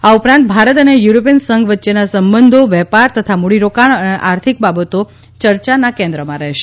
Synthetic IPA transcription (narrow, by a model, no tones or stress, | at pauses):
aupɾãnt̪̚bʱaɾət̪ənejuɾop̬iənsəŋɡʋətːʃenasəmbənd̪ʱoʋɛpaɾt̪ət̪ʰamuɽiɾokaɳəneʔaɾt̪ʰik̚babət̪o | t͡ʃəɾt͡ʃanakɛ̃nd̪ɾəmãɾɛɦʃe